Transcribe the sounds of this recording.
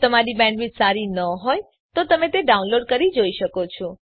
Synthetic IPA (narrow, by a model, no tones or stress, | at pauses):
t̪əmaɾibɛ̃ɳɖʋid͡ʒsaɾinəɦoj | t̪ot̪əmẽt̪eɖaunloɖkəɾid͡ʒoiʃəkot͡ʃʰo